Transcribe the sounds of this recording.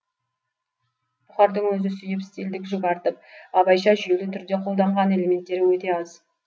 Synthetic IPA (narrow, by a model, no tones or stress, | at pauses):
mʊχɑɾd̪əɴwɵzɪsʏjɪpɪ̥st̪ild̪ɪkʒokɑɾt̪əp̚ɑbɑjʃɑʒʏjelɪt̪ʰʏɾd̪e̞qʰo̞lˠd̪ɑɴʁɑne̞le̞me̞nt̪ːe̞ɾɪwɵt̪e̞ɑz